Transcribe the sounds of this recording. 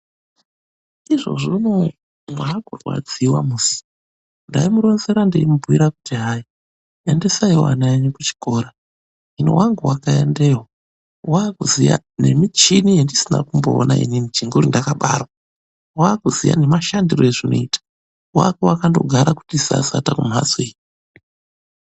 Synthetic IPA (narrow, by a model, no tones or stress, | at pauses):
iʐo̞̰ʐino | maːkurwa̰d͡ziwamuːsi̥ | ndaimuɾo̞nzeɾandeimubʱuwiɾaku̥tiɦaːji | ende̞saiwa̰naeɲekut͡ʃi̥ko̞ːɾa | ɦino̰waŋɡuwakaḛndewo | waːkuzija̰ | ne̞mit͡ʃinijendisina̰kumbo̰ːnaḭninit͡ʃiŋɡuɾindakaɓa̰rwa | waːkuzija̰ne̞maʃandirojeʐino̞̰iːtḁ | wa̰kewakando̞̰ɡʱaɾaku̥tisa̰satakumazwe